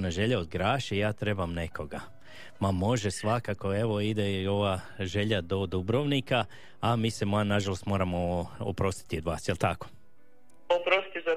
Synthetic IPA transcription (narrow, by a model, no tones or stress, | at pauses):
naʒe̞ʎaod̪ɡɾaːʃejaːt̪ɾe̞bamne̞kʰo̞ɡa | mamo̞ʒesʋakako̞eʋoid̪eo̞ʋa | ʒe̞ʎad̪o̞d̪ubɾo̞ːʋnika | amiːse̞mnaʒalˠost̪mo̞ːɾamoo̰pɾo̞st̪i̥t̪iod̪ʋaːsjelt̪ako̥ | opɾost̪iza